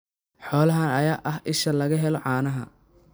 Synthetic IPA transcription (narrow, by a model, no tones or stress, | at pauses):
ħɔːlɐɦɐnɐjaːʔɐɦɪʃɐlɐɣɐɦɛlɔʕɑːnɐɦɐ̰